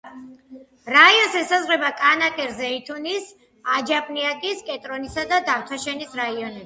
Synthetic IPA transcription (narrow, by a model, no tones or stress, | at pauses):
ɾaiɔsɛsazʁɛbakʼanakʼɛɾzɛit̪ʰunis | ad͡ʒapʼniakʼiskʼɛt̪ʼɾɔnisad̪ad̪aft̪ʰaʃɛnisɾaiɔnɛb